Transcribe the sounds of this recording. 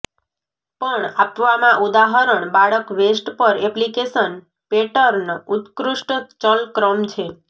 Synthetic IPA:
pəɳapʋamãʔud̪aɦəɾəɳbaɭəkʋesʈpəɾɛplikesən | peʈəɾnut̪kɾuʂʈt͡ʃəlkɾəmt͡ʃʰe

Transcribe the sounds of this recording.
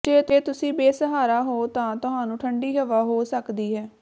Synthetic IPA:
d͡ʒeːət̪eːt̪ʊsĩːbeːsəɦaːɾaːɦoːt̪ãːt̪ʊɦãːnũːʈʰəɳɖiːɦəʋaːɦoːsəkd̪iːɦɛː

